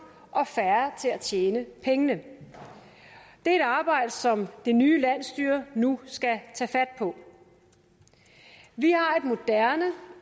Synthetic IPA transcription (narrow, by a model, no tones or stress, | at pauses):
ʔɒ̽fæɐɐt͡sʰe̝læt͡ɕʰjeːnəpʰeŋənə | d̥e̝æɐe̝d̥ɑ̈ːb̥ɑ̈ɪ̰d̥əsɒ̽md̥e̝nyːlæn̰sd̥yːɐnusɡ̥æt͡sʰɛːfæd̥̚pʰɒ̽ | ʋihɑ̈e̝d̥mo̝d̥æɐnə